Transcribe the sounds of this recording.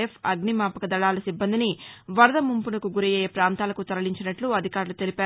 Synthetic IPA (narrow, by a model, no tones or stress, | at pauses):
epʰɐɡnimaːpɐkɐd̪ɐɭaːlɐsibːɐnd̪iniʋɐɾɐd̪ɐmumpunɐkuɡuɾijɛːjepɾaːnt̪aːlɐkut̪ɐɾɐliɲt͡ʃinɐʈluɐd̪ʱikaːɾlut̪e̞lipaː